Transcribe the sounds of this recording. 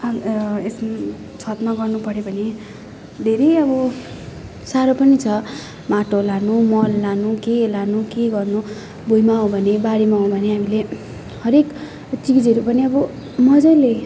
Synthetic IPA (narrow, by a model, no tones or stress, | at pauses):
aes | t͡sʰʌt̪maɡʌrnupʌɾjobʱʌne | d̪ʱeɾʌjʌbʌ | saɾopʌnit͡sʰʌ | maʈolanumʌlːanukelanukeɡʌrnu | bojmaõbʱʌnebaɽimaõbʱʌneamile | hʌɾek | t͡sikid͡zʌɾupʌniʌbʌ | mʌd͡zʌjle